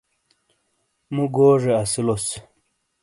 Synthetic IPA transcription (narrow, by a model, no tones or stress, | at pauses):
muɡoːʐeɐsilos